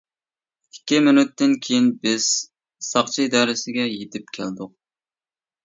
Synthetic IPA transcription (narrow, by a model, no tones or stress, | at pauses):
ikʲːimɪnyt̪ːɪnkʲʰejinbɪz̥ | sɑχt͡ʃʰiid̪ɑːɾɪsɪɡʲɛjet̪ʰɪp̚kʲʰæ̰ld̪ʊq̚